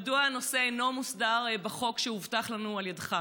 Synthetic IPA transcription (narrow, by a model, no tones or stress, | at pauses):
duano̞se̞nomusdaʁbeχo̞kʃeuvtaχlanualjadχa